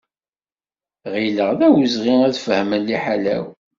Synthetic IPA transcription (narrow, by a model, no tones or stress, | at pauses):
ʁiləʁðæwəzʁiæðfəhmənliħalæ̰w